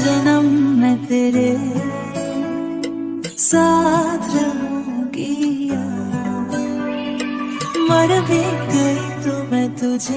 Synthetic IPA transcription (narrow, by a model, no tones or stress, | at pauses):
d͡ʒənəmːɛ̃t̪eɾe | sad̪ɾəmũ | kija | məɾʋiɡəit̪omɛ̃t̪ud͡ʒe